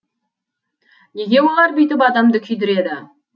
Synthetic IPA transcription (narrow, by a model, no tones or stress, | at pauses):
ne̞ɡʲe̞wo̞lˠɑɾbʏjt̪ɪpɑd̪ɑmd̪əkʲʰʏjd̪ɪɾe̞d̪ɪ